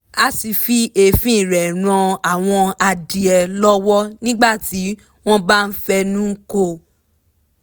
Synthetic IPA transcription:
a˦si˧fi˦ʔe˧fĩ˦˨ɾɛ˨ɾ̃ɔ̃˧a˨w̃ɔ̃˧a˧di˨ɛ˨lɔ˦wɔ˦nĩ˦ɡ͡ba˦˨ti˨˦ | w̃ɔ̃˦ba˦˧n̩˦fɛ˧nũ˦ko˦˨

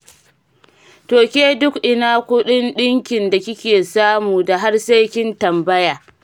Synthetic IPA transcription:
toː˨kʲeː˦dʊ˦kʔɪ˨naː˦kʷʊ˦ɗɪ˦nɗɪ˦ŋkʲɪ˨nda˨kʲɪ˦kʲeː˨saː˦muː˨da˨ɦa˦rsa˦jkʲɪ˦ntɐ˨mbɐ˦jaː˨

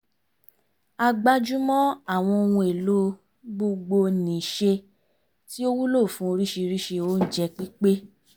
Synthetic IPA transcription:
a˧ɡ͡ba˧d͡ʒu˦mɔ̃˦a˦˨w̃ɔ̃˧o˧wũ˧e˨lo˦ | ɡ͡bo˧ɡ͡bo˧nĩ˨ʃe˧ | ti˦o˦wu˦lo˦˨fũ˨˦o˧ɾi˦ʃi˧ɾi˦ʃe˧o˨˦n̩˦d͡ʒɛ˧k͡pi˦k͡pe˦

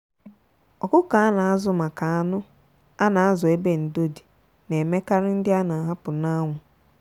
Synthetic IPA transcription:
ɔ˨kʊ˦ka˨a˦na˨a˦zʊ˨˦ma˨ka˨a˦nʊ˦ | a˦na˨a˦zɔ˨e˦be˦n̩˨do˦di̥˨ | ne˨me˦ka˦ɾɪ˦n̩˦dɪ˦a˦na˨ɦa˦pʊ˨na˦ŋʷʊ˨

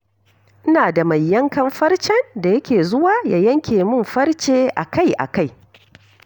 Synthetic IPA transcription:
ʔɪ˦naː˨da˨mɐ˨jːɐ˦ŋkɐ˨mɸɐ˦rt͡ʃɛ˦nda˨jɐ˦kʲeː˨zʊ˦waː˦jaː˦jɐ˦ŋkʲeː˨mʊ˦mɸɐ˦rt͡ʃeː˦ʔa˨ka˦jʔa̰˨ka˦˨j

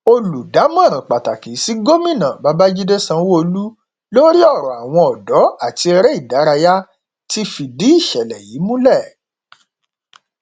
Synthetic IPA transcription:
o˧lu˨da˨˦mã˦˨ɾ̃ã˨k͡pa˨ta˨ki˨˦si˦ɡo˦mĩ˦˨nã˨ba˧ba˦d͡ʒi˦de˦sã˧˦wo˧lu˦ | lo˦ɾi˦ɔ˦˨ɾɔ˨a˨w̃ɔ̃˧ɔ˨dɔ˨˦a˦˨ti˧ɛ˧ɾɛ˦i˦˨da˨˦ɾa˧ja˦ | ti˦fi˧di˨˦i˦˨ʃɛ˨lɛ˨jiː˨˦mũ˦lɛ˦˨

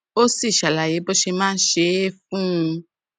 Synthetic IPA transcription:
o˦si˦˨ʃa˨la˨je˨˦bɔ˦ʃe˧mãː˦n̩˦ʃe˧˦fũ˦ũ˧

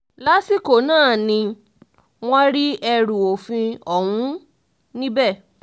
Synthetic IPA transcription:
la˦si˦ko˨nãː˦˨nĩ˧ | w̃ɔ̃˦ɾi˦ɛ˧ɾu˨o˨fĩ˧ɔ˨wũ˨˦ | nĩ˦bɛ˦˨

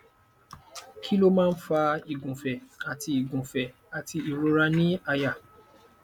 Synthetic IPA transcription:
kʰi˦lo˦mãː˦˧n̩˦fa˧i˨ɡũ˨fɛ˨a˨ti˧i˨ɡũ˨fɛ˨ | a˨tʰi˧i˨ɾo˧ɾa˧nĩ˦a˧ja˦˨

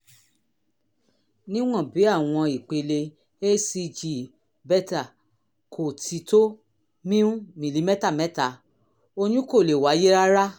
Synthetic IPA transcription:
nĩ˦w̃ɔ̃˦˨bi˨˦a˦˨w̃ɔ̃˧i˨k͡pe˧le˧ | e˦si˧d͡ʒi˨ | bɛ˦ta˨ | kʰo˨tʰi˧to˦ | mĩ˦ũ˦mĩ˨li˨˦mɛ˦ta˦˨mɛ̃˨˦ta˦˧˨ | o˧nũ˦ko˦˨le˨wa˨˦je˦ɾa˦ɾa˦

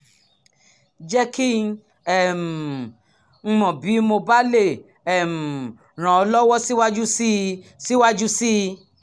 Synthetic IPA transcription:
d͡ʒɛ˦ki˦ | ɛ˨m̩˨˧ | mɔ̃˨bi˨˦mo˧ba˦le˦˨ | ɛ˦˨m̩˨ | ɾ̃ã˨ɔ˧lɔ˦wɔ˦si˦wa˦d͡ʒu˦si˦si˦wa˦d͡ʒu˦si˦˧

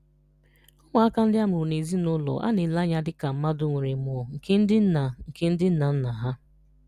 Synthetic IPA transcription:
ɔ˦ŋa˨a˦ka˦n̩˦dɪ˦a˦mʊ˨ɾʊ˨ne˨zi˦nʊ˦lɔ̰˨ʔa̰˦ne˨la˦ɲa˦dɪ˦ka˨m̩˦ma˦dʊ˦ŋʷe˨ɾe˨mʊ˨ɔ˨ŋ̩˨ke˦n̩˦dɪ˦n̩˦na˨ŋ̩˨ke˦n̩˦dɪ˦n̩˦na˨n̩˦na˨ɦa˦

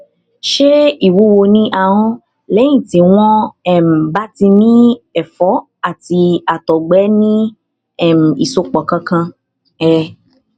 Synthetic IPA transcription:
ʃe˦i˦˨wu˨˦wo˧nĩ˦ʔa˧ɦɔ̃˦ | lɛ̃˨˦ĩ˦˨tĩ˨˦w̃ɔ̃˦ɛ˦˨m̩˨ba˦ti˧nĩ˦ɛ˦˨fɔ˨˦ | a˦˨ti˧a˨tɔ˨ɡ͡bɛ˨˦nĩ˦ | ɛ˦˨m̩˨i˨so˧k͡pɔ˨kã˧kã˧ | ɛ˧

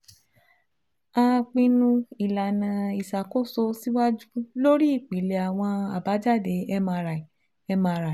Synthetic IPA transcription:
a˧k͡pĩ˧nũ˧i˨la˨nã˨i˨sa˨ko˦˨so˧si˦wa˦d͡ʒu˦lo˦ɾi˦i˦˨k͡pi˨˦le˨a˨w̃ɔ̃˧a˨ba˨˦d͡ʒa˦˨de˨ɛ˧mã˧ɾa˨ | ɛ˧mã˧ɾa˨

